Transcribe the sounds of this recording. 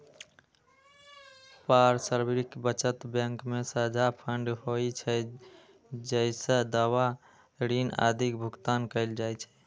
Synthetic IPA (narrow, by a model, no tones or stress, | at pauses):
paɾsəɾbɾikbət͡ʃət̪bjə̃ŋkmesəd͡ʒʱapʰəɳɖɦojt͡ʃʰɛ | d͡ʒəsə̃d̪awa | ɾina̰d̪ʱikbʱukt̪ankəɪld͡ʒajt͡ʃʰɛ̥